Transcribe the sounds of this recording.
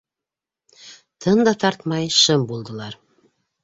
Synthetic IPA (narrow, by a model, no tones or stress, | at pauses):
t̪ʰɤnd̪ɑt̪ɑɾt̪mɑjʃɤmbulˠd̪ɤ̆lˠɑɾ